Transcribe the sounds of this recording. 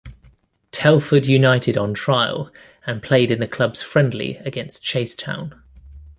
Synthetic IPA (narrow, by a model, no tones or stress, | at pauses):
tʰɛlˠfədjʉnaɪtʰɪdn̩tʰɹ̥aɪə̰lˠ | ə̃npʰl̥eɪdɪ̃nðəkʰl̥ʌbz̥fɹɛ̃ndˡlḭəɡɛ̃nst͡ʃʰeɪstʰã̰ʊ̃n